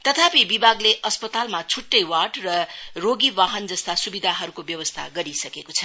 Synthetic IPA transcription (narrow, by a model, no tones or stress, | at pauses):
t̪ʌt̪ʰapibibaɡleʔʌspʌt̪almat͡sʰuʈːʌjwaʈrʌroɡiwaɦʌnd͡zʌst̪asubid̪ʱaɦʌɾukobjʌwʌst̪ʰa̰ɡʌɾisʌkekot͡sʰʌ